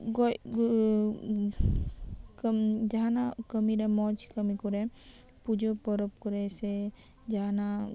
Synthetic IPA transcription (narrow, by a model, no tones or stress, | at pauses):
ɡɔj | kmd͡ʒaɦanakəmidamɔd͡ʒkəmikuɾɛ | pud͡ʒɔpɔɾɔp̚kuɾɛsɛ | d͡ʒaɦana